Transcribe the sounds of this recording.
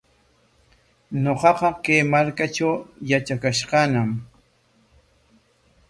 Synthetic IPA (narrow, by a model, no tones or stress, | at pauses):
ɲoqɑqɑkajmaɾkat͡ʃawjat͡ʃakaʃqɑnam